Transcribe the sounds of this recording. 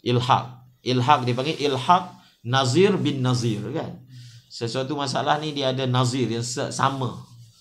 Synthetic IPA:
ʔilɦa̰q̚ | ʔilɦak̚dipaŋɡeʔilhak̚ | nazirbɪnːazirka̰nsəsuat̪umas̬aalahnĩdiaadanazirjaŋsə̰ʔsa̰mã

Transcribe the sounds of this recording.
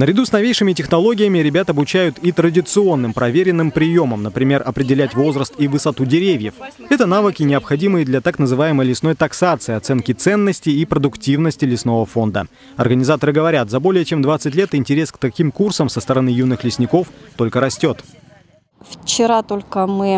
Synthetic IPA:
nəɾʲɪd̪usnɐvʲejʂɨmʲɪtʲɪxnɐlˠo̞ɡʲɪjəmʲɪɾʲɪbʲat̪əɐbʊt͡ɕæjʊt̪it̪ɾədʲɪt̪sɨo̞nːɨmpɾɐvʲeɾʲɪnːɨmpɾʲɪjo̞məmnəpɾʲɪmʲe̞rɐpɾʲɪdʲɪlʲætʲvo̞zɾəst̪ivɨsɐt̪udʲɪɾʲevʲjəf | ɛt̪ənavɨkʲɪnʲɪɐpxɐdʲimɨjəd̪lʲɐt̪aknəzɨvajɪməjlʲɪsno̞jt̪ɐksat̪sɨɪɐt̪sɛnkʲɪt̪sɛnːəsʲtʲɪːpɾəd̪ʊktʲivnəsʲtʲɪlʲɪsno̞vəfo̞nd̪ə̰ | ɐ̰rɡənʲɪzat̪əɾɨɡəvɐɾʲat̪zɐbo̞lʲɪjət͡ɕe̞md̪vat̪sɨtʲlʲe̞t̪ɪnʲtʲɪɾʲe̞skt̪ɐkʲimkursəmsəst̪əɾɐnɨjunːɨxlʲɪsʲnʲɪko̞ft̪o̞lʲkəɾɐsʲtʲo̞t̪ | ft͡ɕɪɾat̪olʲkəmɨ

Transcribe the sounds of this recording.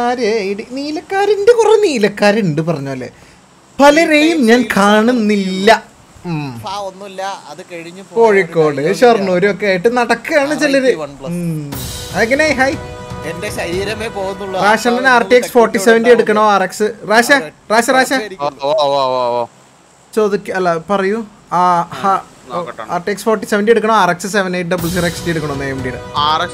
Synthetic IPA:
aːɾeiɽiniːlɐkːaːɾindekureniːlɐkːaːɾiɳɖɨpɐrɐɲːoːɐlːḛ | pɐlɐrejumɲaːnkʰaːɳunːilːɐ | mː | ɐɐko̞ːɻikːo̞ːɽɨɕɐrnuːɾɨo̞kːe̞aːjiʈːɨnɐɽɐkːɨaːɳɨt͡ɕiloɾɨ | ɐðeŋːɐneɦɐjendɐiːɾɐmeoːɣunːuɭːraːɕɐɳɖɐnaːrʈːieksfo̞ːrʈːiseʋɐnɖieɽukːɐɳoːaːreksɨraːɕɐ | raːɕɐraːɕɐ | t͡ɕo̞ːðikʲːɐlːɐpɐrɐju | aha | aːrʈːieksfo̞ːrʈːiseʋɐndɖieɽukːɐɳoːaːreksɨseʋɐnejʈ̬̚ːɖɐbɨlsireksɖieɽukːɐɳɐonːejɐʋɐɳɖijɽɨa

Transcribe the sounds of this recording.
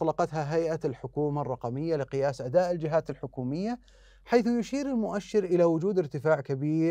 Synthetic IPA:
lɑqɑt̪ɦaɦajʔalħʊkuːmarˤːɑqɑmɪjːalɪqɨjaːsʔad̪aːʔɪld͡ʒɪɦaːt̪ɪlħʊkuːmɪjːa | ħajθjʊʃiːɾɪlmʊʔaʃːɪɾʔɪlawʊd͡ʒuːd̪ɪɾt̪ɪfaːʕkabiːɾ

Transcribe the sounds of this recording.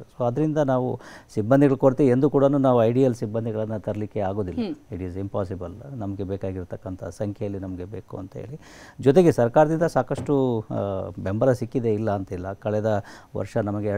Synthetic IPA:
soːɐd̪ɐɾind̪ɐnaːʋusibːɐnd̪iɡɐɭukoɾt̪iiend̪ukuːɽɐnuːnaːʋuɐjɖijɐlsibːɐnd̪ʱiɡɐɭɐnːɐt̪ɐɾɐlikːeaːɡo̞ːd̪ilːɐiʈizimpaːs̬ibɐlnɐmɐɡebeːkaːɡiɾt̪ɐkːɐnt̪ʰɐ̰sɐŋkʰjɐjɐlːinɐmɐɡe̞beːkuɐ̰nt̪ɐɦḛːɭi | d͡ʒɔt̪e̞ɡesɐɾkaːɾɐd̪ind̪ɐsaːkɐʂʈu | be̞mbɐɾɐsikːid̪e̞ilːɐːnt̪ɐilːɐkɐɭɛd̪ɐʋɐ̰ɾʂɐnɐmɐɡe

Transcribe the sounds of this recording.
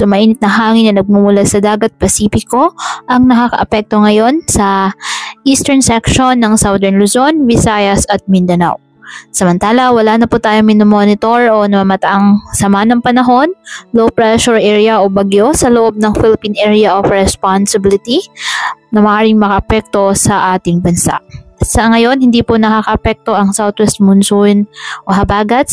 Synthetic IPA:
sʊmɐʔiːnɪt̪̚nɐŋɦaːŋɪnːɐnɐɡ̚mumʊlasɐd̪aːɡɐt̪̚pɐsiːfɪko̞ʔɐŋnɐkakɐ̰ʔɐpɛk̚t̪o̞ŋɐjo̞nsɐ | ʔiːst̪ɛɹnsɛkʃonːɐŋsawd̪ɛɹnlʊzo̞nvɪsaːjɐsɐt̪̚mɪnd̪ɐna̰w | sɐmɐnt̪aːlɐwɐlaːnɐpʊt̪aːjoŋmɪnomo̞nɪt̪o̞ɹo̞nɐmamɐt̪ɐʔɐŋsɐmanɐŋpɐnɐɦo̞nlopɹɛʃʊɹʔɛɹjɐʔobɐɡjosɐloʔo̞b̚nɐŋfɪlɪpinʔɛɹjɐʔofɹɛspansɪbɪlɪt̪i | nɐmɐʔaːɾɪŋmɐkɐʔɐpɛk̚t̪o̞sɐʔaːt̪ɪŋbɐnsa̰ʔsɐŋɐjo̞nhɪnd̪iːpʊnɐkakɐʔɐpɛk̚t̪o̞ʔɐŋsawt̪wɛst̪̚mʊnsunʔoɦɐbaːɡɐt̪̚

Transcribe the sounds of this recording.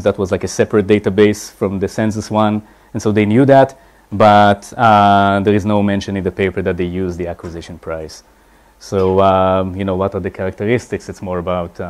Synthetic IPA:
zdætwɔzlaɪkəsɛpɹət̚d̥eɪtabeɪsfɹɔ̃md̪əsɛ̃ns̬əswãn | ɛ̃nsoʊd̪eɪnjud̪æt | batad̪əɹɪznoʊmɛ̃nʃɔ̃nɪ̃ndəpeɪpə˞d̪æt̪̚d̪eɪjuzd̪iækwizɪʃɔ̃npɹaɪsː | oʊajunoʊwɔtaðəkʰaɹak̚təɹɪstɪksɨtsmɔɹəbaʊt

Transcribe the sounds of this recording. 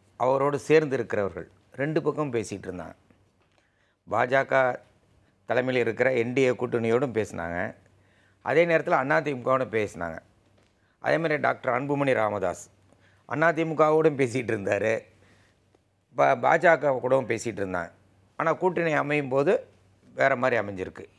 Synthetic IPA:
ʔɐʋɐɾoːɽɯseːɾnd̪ɪɾɯkːɪɾɐʋɐɾɣɐ̰ɭ | ɾɛɳɖɯpɐkːɐmpeːsɪʈːɪɾɯnd̪a̰ːŋɡɐ | ba̰ːd͡ʒaːkaː | t̪ɐlɐmɐɪlɪɾɯkːɪɾɐɛɳɖɪjekuːʈːɪnɐjoːɽɯmpeːsna̰ːŋɡɐ̰ | ʔɐ̰ðeːneːɾɐt̪ːɪlɐnːaːt̪̬imʊkːaːʋɽɯmpeːsna̰ːŋɡɐ̰ | ʔɐ̰ðeːmaːd̪ɾiɖa̰ːk̚ʈɐɾɐnbɯmɐniɾaːmɐða̰ːs | ʔɐ̰nːaːt̪̬imɯkːaːʋoːɽɯmpeːs̬ɪɪʈːɪɾɯnd̪aːɾɯ | bba̰ːd͡ʒaːkaːkuːɽɐʋɐmpeːsɪʈːɪɾɯnd̪a̰ːŋɡɐ | aːnaːkuːʈːɪnɐɪɐmɐjɯmpoːðɯ | ʋeːɾɐmaːd̪ɾiɐmɛɲd͡ʒɪɾɯkːɯ

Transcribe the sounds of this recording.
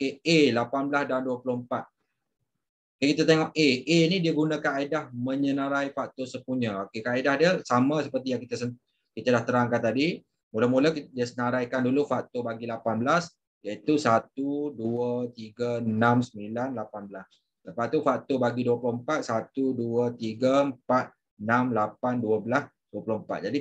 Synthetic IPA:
okeelapanbəlasdanduəpuloəmpat̪̚ | okekit̪at̪eŋɔp̚eenidiəɡunakanaidahmə̃ɲənaɾajfak̚t̪osəpuɲəokekaaidahdiəsamasəpərt̪ijaŋkit̪asə | kit̪adaht̪əɾaŋkant̪adi | muləmulədiəsənaɾajkandulufaʔ̚t̪obaɡilapanbəlas | jəit̪usat̪uduət̪iɡənamsəmilanlapanbəlas | ləpat̪ufak̚t̪obaɡiduəpulʊhəmpat̪̚sat̪uduət̪iɡəmpat̪̚ | ənamlapanduəbəlas | duəpuloəmpa̰t̪̚d͡ʒadi

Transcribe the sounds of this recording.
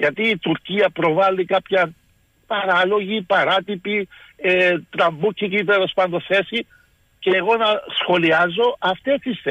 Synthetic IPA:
ʝɐt̪iːt̪uɾciɐpɾo̞vɐlːikɐpçɐn | pɐɾɐlo̞ʝipɐɾɐt̪ipiet̪ɾɐmːucʰːicit̪elo̞spɐnd̪oθe̞si | ceːɣo̞nɐsxo̞liɐzːo̞ʔɐft̪est̪isθ

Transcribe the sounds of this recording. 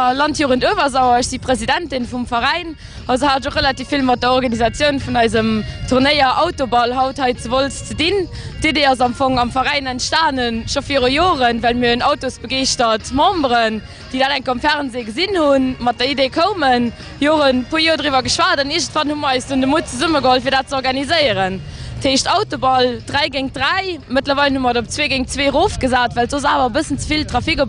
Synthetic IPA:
lɑntʰjoːʁəntovɐzɑʊɐəɕz̥ipʁezidæntinfumfɐʁæɪn | ʔɑzohaːtoχelɑtiːfilmɑt̚dɐɔʁɡɑnizɑt͡sjəʊnfunɑɪzəmtʰuʁnəɪɐʔɑʊtobɑlhɑʊthɑɪt͡səvolst͡sədin | d̥eːdeːɑzɑmfoŋɑmfɐʁæɪnæntʃtaːnənʃofiːʁojoːʁənvælmiɐənɑʊtosb̥əɡeɪʃtɐtmɑ̃mbʁən | d̥idaːdæŋkʰomfæʁnzeːɡəzinhunmɑt̚dɐideːkʰəʊmən | joːʁənpʰoːjoːɐdʁivɐɡəʃwaːdɑniɐʒəntfɑnhumɐʁɑɪsdundəmut̚t͡səzuməɡəholfiːdaːt̚t͡səɔʁɡɑnizəɪəʁən | tʰheːʃtɑʊtobɑldʁæɪɡeŋ̚dʁæɪmətlɐvɑɪlnhumɐdop̚t͡sveːɡeŋt͡sveːʁoːfɡ̥əzaːtvælzozaːvɐbəsənt͡səfiltʁɑfiko

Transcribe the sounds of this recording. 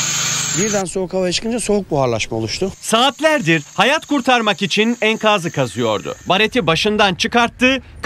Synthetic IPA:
biɾd̪ænsokʰavajat͡ʃʰɯ̥kʰɯnd͡ʒaso̞ɦuk̚buɦaɾlˠaʃmao̞lˠuʃt̪ʰʊsaːt̪lʲæɾd̪iɾhajat̪kuɾt̪ʰaɾmakit͡ʃʰinænkʰaːzɯkʰazɯjo̞̰ɾd̪ʊ̰baɾet̪ʰibaʃɯnd̪ant͡ʃʰɯkaɾt̪ːɯːk

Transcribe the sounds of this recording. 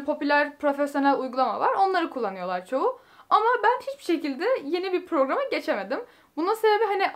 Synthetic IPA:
pʰo̞pylʲæɾpɾo̞fesjo̞nælʲujɡulˠama̰vaɾo̞nlˠaɾɯkʰulˠːanɯjo̞lˠaɾt͡ʃʰo̞ʊ | amabænhit͡ʃbiʃe̞cilʲd̪ɛje̞nibipɾo̞ɡɾamaɟe̞t͡ʃʰeme̞d̪im | bunasebe̞biɦani

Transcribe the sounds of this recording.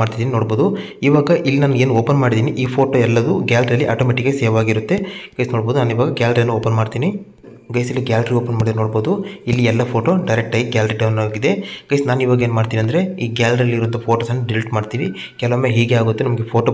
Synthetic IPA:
aːɽt̪id̪iːninoːɽbo̞ːd̪u | iːʋaːɡɐʔilːinaːnɡe̞ːnuoːpɐnmaːɽid̪iːniʔiːpʰoːʈoːɛlːɐd̪uɡaːlʈɾɐlːiʔaːʈoːmeʈikːeseːʋaːɡiɾut̪ːe̞ɡ̥ɐjsnoːɽbo̞ːd̪unaːniːʋaːɡɐɡaːlɾeːnːuoːpɐnmaːɽt̪iːni | ɡɐjsɐlːiɡaːlɖɐɾioːpɐnmaːɽid̪ɾnoːɽboːd̪uilːiɛlːɐpʰoːʈoːɖɐjɾek̚ʈaːɡɡʲaːlɾiɖɐwnaːɡid̪eɡ̥ɐjsnaːniːʋaːɡɐeːnmaːɖt̪iːniɐnd̪ɐɾe̞iːɡaːlɾiɐlːiːɾuʋɐnt̪ɐpʰoːʈoːsɐnːɖiliʈmaːɖt̪iːni | kɛlɐʋomːeːɦiːɡeaːɡut̪ːenɐmɐɡepʰoːʈoː

